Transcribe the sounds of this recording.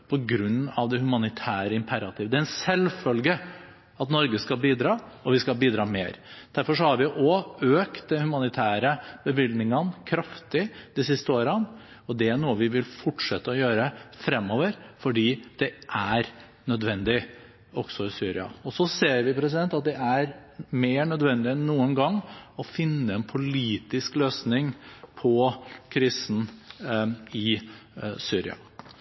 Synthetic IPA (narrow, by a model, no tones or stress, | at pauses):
pʰɔɡɾʉnːɑ̰ʋd̪ɛhʉmɑnɪt̪ʰæːɾəɪmpʰæɾɑt̪ʰɪːʋəd̪ɛæɛnsɛlfœlɡə | ɑt̪nɔɾɡəskɑlbiːd̪ɾɑːɔʋɪskɑlbiːd̪ɾɑːmeːɾd̪̥æɾfɔʂɔhɑɾʋɪʔɔøːkt̪̚d̪ɛnhʉmɑnɪt̪ʰæːɾəbəbɪld̪nɪŋənkʰɾɑft̪ɪd̪̥ɪsɪst̪əoːɾən | ɔd̪ɛæɳuːəʋɪʋɪlfɔʈʂɛt̪ːəɔjøːɾəfɾɛmːɔːʋəɾfɔɖiːd̪̥ɛʔæɾ | nœd̪ʋɛnd̪ɪ | ɔɡ̥sɔɪsyːɾɪɑ̰ɔsɔseːɾʋɪpʰɾɛs̬ɪd̪ɛnt̪ɑt̪̚d̪ɛʔæɾmeːɳœd̪ʋɛnd̪ɪɛnːuːənɡɑŋːɔfɪnːəɛnpʰʊliːt̪ɪskløːsnɪŋpʰɔkʰɾiːsn̩ | ɪ | syːɾɪ̰ɑ̰